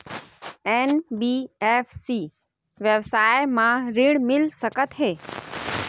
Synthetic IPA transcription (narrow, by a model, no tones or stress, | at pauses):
enbiefʰsi | ʋjəʋsaːjmãɾɪɽmɪlsəkət̪ɦeː